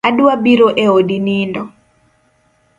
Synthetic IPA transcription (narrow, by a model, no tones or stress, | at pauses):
adwabiɾoʔeodinindɔ